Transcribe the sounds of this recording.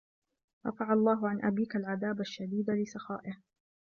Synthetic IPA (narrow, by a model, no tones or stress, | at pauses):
ɾˤɑ̰faʕalˤːɑːɦʊʕanʔabiːkalʕaðaːbaʃːad̪iːd̪lɪsɑxa̰ːʔɪh